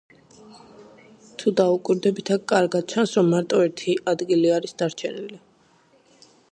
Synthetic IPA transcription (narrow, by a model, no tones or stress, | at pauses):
t̪ʰud̪aukʼwiɾd̪ɛbit̪ʰakʼaɾɡad̪̥̚t͡ʃʰansɾɔmːaɾt̪ʼɔɛɾt̪ʰiʔad̪ɡiliaɾisd̪aɾt͡ʃʰɛnili